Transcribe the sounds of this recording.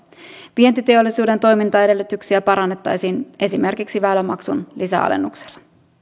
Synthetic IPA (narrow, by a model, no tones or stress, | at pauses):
ʋie̞nt̪it̪e̞o̞lːisuːde̞nt̪o̞jmint̪ɑe̞de̞lːyt̪yksiæpɑɾɑnːe̞t̪ːɑjsiːnʔe̞sime̞rkiksiʋæːlæmɑksṵnlisæ̰ɑ̰lḛnːukse̥lːɑ